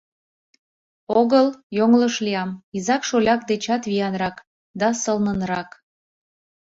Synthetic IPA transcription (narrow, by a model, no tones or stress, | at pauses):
oɣəljoŋləʃlʲiɑmizɑkʃolʲɑk̚d̪et͡ɕɑt̪βijɑnrɑk | d̪ɑsəlnənrɑk